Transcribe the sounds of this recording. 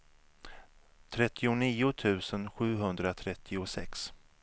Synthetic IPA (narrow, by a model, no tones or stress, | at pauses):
t̪ʰɾɛt̪ʰːɪʊniːʊt̪ʰʉ̟ːsənɧʉ̟ːɦɵnd̪ɾat̪ʰɾɛt̪ʰːɪʊsɛ̰ks